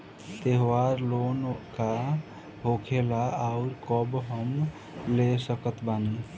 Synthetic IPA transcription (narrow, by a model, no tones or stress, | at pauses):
t̪eɦwaːɾloːnka | ɦoːkʰeːlaaʊɾkɔbɦəm | lesəkət̪ʰbaːni